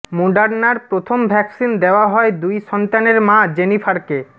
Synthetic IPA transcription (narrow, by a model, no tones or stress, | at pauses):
moɖaɾnaɾpɾot̪ʰombʱɛksind̪eoaɦɔed̪ujʃɔnt̪aneɾmãd͡ʑenifʰaɾke